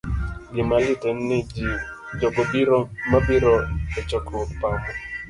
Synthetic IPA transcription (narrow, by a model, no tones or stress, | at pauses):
d͡ʒɪmalɪtɛn̩nɪd͡ʒi | d͡ʒɔɡɔbiɾɔmabiɾɔɛt͡ʃɔkɾʊpamʊ